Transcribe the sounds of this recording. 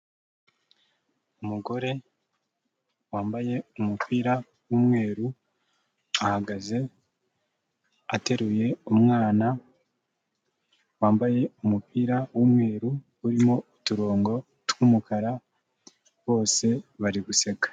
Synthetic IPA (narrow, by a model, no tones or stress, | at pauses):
umuɡo̞ɾe̞ | waːmbaje̞umupʰiːɾa | wuːmŋe̞ːɾu | ahaɡaze̞ | ate̞ɾuje̞umŋaːna | waːmbaje̞umupiːɾawumŋe̞ːɾu | uɾimo̞ituɾo̞ːŋɡo̞ | tuːmukaɾa | βo̞ːse̞βaɾiɡuse̞ɡḁ